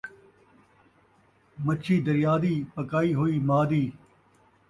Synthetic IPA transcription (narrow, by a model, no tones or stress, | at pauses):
mət͡ʃʰiːd̪əɾjaːd̪iːpəkaːiːɦoːiːmaːd̪iː